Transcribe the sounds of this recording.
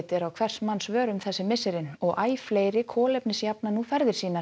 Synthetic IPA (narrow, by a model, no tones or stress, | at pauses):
t̪ɪɾawkʰvɛr̥smansvœːɾʏmθɛsːɪmɪsɪɾɪnɔɣʔaːjfleːjɾɪkʰɔːlɛjpnɪsjapnanuːfɛɾðɪɾ̥siːna